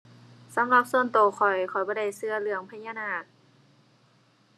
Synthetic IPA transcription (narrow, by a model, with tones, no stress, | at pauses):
sa˧˦mla˧p̚su˧ənt̪oː˨˩xʰɔ˨˩jkʰɔ˨˩jbɔː˧da˧˩jsɯ˧ɐlɯ˧˩əŋpʰa˧˦jɲaː˧naː˧˩k̚